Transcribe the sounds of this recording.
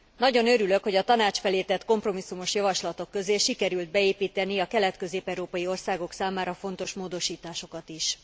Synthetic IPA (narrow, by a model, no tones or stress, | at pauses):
nɒɟo̞nøɾyløkho̞ɟɒt̪ɒnaːt͡ʃfɛleːt̪ɛt̪ko̞mpro̞misːumo̞ʃjɒvɒʃlɒt̪o̞kːø̞zeːʃikɛɾyld̪̚bɛeːpiːt̪ɛniɒkɛlɛt̪kø̞zeːpɛwɾoːpɒjio̞rsaːɡo̞ksaːmaːɾɒfo̞nt̪o̞ʃmoːd̪o̞ʃiːt̪aːʃo̞kɒt̪iʃ